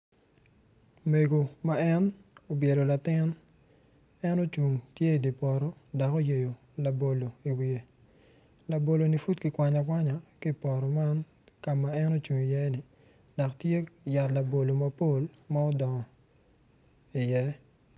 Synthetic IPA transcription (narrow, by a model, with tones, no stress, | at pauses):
me˨ɡo˨ma˦ɛ˦no˨bje˨ɾo˨la˨tɪ˦n | ɛ˦no˦t͡ʃu˨ŋtje˦i˨di˨pɔ˨ɾɔ˦da˨ko˦je˨jo˨ | la˨bo˨lo˨i˨wie˨ | la˨bo˨lo˨ni˨fu˦tki˨kwʷa˨ɲa˨kwa˦ɲa˨ki˦pɔ˨ɾɔ˨ma˦n | ka˨ma˨ɛ˦no˦t͡ʃu˨ŋi˨jɛ˦nɪ˨ | da˨ktje˦ja˨tla˨bo˨lo˨mɐ˦po˦lma˦o˦dɔ˨ŋɔ˨ | i˨jɛ˦